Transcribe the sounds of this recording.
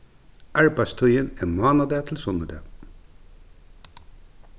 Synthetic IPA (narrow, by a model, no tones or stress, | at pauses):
ʔæɹpɑst̪ʰœʏəneːmɑːnɑd̪eːt̪ʰl̩sɔnəd̪ḛː